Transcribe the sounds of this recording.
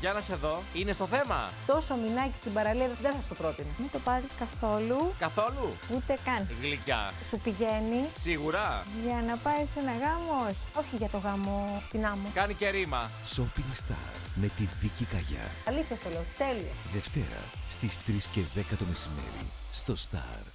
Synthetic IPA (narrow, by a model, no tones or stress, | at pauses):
ʝɐnɐse̞ðo̞inest̪o̞θe̞mɐ̰t̪o̞so̞minɐci̥st̪ibɐɾɐliɐððesɐst̪opɾot̪inomit̪o̞pɐziskɐθo̞lukɐθo̞luut̪e̞kɐnɣlicɐ̰supiʝe̞nisiɣuɾɐʝɐnɐpɐise̞nɐɣɐmooçi̥o̞çiʝɐt̪o̞ɣɐmo̞st̪inɐmokɐnice̞ɾimɐ | so̞piŋɡst̪ɐ̰ɾɾme̞t̪iðicikɐʝɐ̰ɐliθjɐst̪ole̞ot̪e̞lioðe̞ft̪e̞̰ɾɐ̰st̪ist̪ɾisce̞ðe̞kɐt̪o̞me̞sime̞̰ɾḭ | st̪o̞st̪ɐ̰ɾ